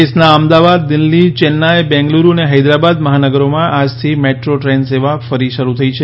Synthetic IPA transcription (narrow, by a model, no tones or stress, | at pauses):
esnaəmd̪aʋad̪ːɪlːit͡ʃɛnːaebɛ̃ŋɡluɾuəneɦəjd̪ɾabad̪məɦanəɡəɾomãʔad͡ʒt̪ʰimeʈɾoʈɾenseʋafəɾiʃəɾut̪ʰəit͡ʃʰe